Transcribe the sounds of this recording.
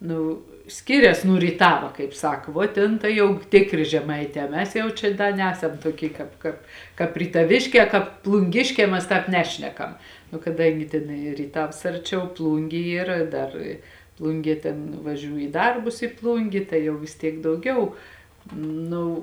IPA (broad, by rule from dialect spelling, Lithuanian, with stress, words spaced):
ˈnʊ ˈsʲkʲɪrʲɛs nuː rʲiːˈtɑːʋɐ kɐɪp ˈsɐk ʋoː ˈtʲeːn ˈtɐɪ jɛʊ ˈtʲeːkˌrʲeː ʒʲɛˈmɐɪˌtʲɛː ˈmʲɛs ˈjɛʊ t͡ʃʲɛ ˈdɐ ˈnʲæːsɐm ˈtuɔˌkʲiː ˈkɑːp kɑːp ˈkɑːp rʲiːtɐˈʋʲeːʃʲˌkʲɛː ˈkɑːp plˠʊŋʲˈɡʲeːʃʲkʲɛː ˈmʲɛs ˈtɑːp ˈnʲæːʃʲnʲɛkɐm nʊ kɐˈdɐŋʲɡʲɪ ˈtʲeːn ɪ rʲiːˈtɐws ˈɐrʲˌt͡ʃʲɛʊ ˈplˠuːŋʲɡʲeː ˈiːr ˈdɐr ˈplˠʊŋʲɡʲiɛ ˈtʲeːn ʋɐˈʒʲuː iː ˈdɐrbʊs ɪ ˈplˠʊŋʲɡʲeː ˈtɐɪ jɛʊ ʋʲɪs ˈtʲiɛk dɐʊˈɡʲɛʊ ˈnʊ